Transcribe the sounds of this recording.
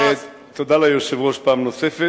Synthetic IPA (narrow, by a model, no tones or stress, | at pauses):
e | t̪od̪alajoʃevoʃpamnosefe